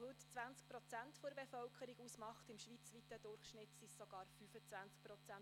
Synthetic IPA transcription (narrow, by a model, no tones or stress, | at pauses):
hʉt̪t͡sʋænt͡sk̚pɾɔt͡sæntfɔəɾbefœlkʰəɾiɡusmɑχtɪmʃʋit͡sʋit̪əd̥̪ʊrχʃnɪtsissɔɡ̥ɑːɾfyfət͡sʋænt͡sk̚pɾɔt͡sæn